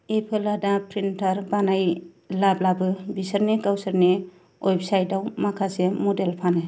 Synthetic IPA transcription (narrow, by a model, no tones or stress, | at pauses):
epʰeladapʰɾintaɾbanaj | lablabɯbisəɾnekawsɐɾne | ojbsajdawmakʰasemodelpʰanɯ